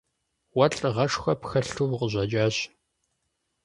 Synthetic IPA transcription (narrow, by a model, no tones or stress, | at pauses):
wɐɬʼʁɐʂxɐpxɐɬuwqəʑʷɐd͡ʒʼaːɕ